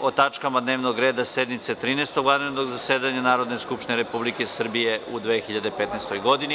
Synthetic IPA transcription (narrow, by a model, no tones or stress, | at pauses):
ot̪at͡ʃkamad̪neːʋnoɡɾe̞ːd̪ase̞d̪mit̪set̪ɾiːneːst̪oɡlad̪inenoɡzaseːd̪aɲanaːɾod̪neskupʃt̪ineɾepublikesr̩bijeʔud̪ʋexiʎad̪epet̪nest̪o̞jɡo̞d̪ini